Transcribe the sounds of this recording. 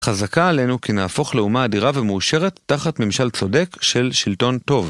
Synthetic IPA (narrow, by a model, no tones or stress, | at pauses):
χazakaːle̞nukinaːfo̞χleumaːdiʁavemuːʃe̞ʁe̞t̪ːaχatmimʃalt͡so̞de̞kʃe̞lʃilto̞nto̞v